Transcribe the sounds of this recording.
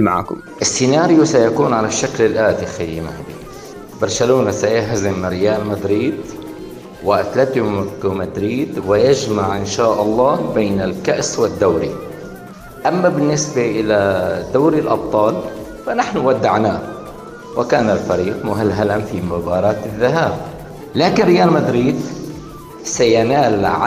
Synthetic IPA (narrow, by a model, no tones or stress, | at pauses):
maʕa̰ːkʊmʔɪsːɪnaːɾɪjusajakuːnʕalaʃːaklɪlʔaːt̪ixajːimahab̪ḭː | bɑɾˤʃaluːnasajaɦzɪmːɾɪjaːlmad̪ɾiːd̪ | waʔt̪lat̪ːuɡmad̪ɾiːd̪wɪjad͡ʒmaʕʔɪnʃaːʔɑlˤːɑːbeːnɪlkaʔswɪd̪ːawɾi | ʔamːabɪnːɪsbaʔɪlad̪awɾilʔɑb̚t̪ˤɑːl | fanaħnʊwad̪ːaʕnaː | wɪkaːnalfaɾiːqmʊɦɪlɦalamfimʊbɑːɾˤɑːt̪ɪðːaɦaːb̚ | laːkɪnɾɪjaːlmad̪ɾiːd̪ | sajanaːlʕa